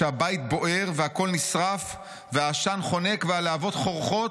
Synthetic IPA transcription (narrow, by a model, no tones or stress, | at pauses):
eabait̪̚bo̞ʔe̞ʁveako̞lnisʁaf | veaʃanχo̞ne̞kvealeavo̞t̪χo̞ʁχo̞t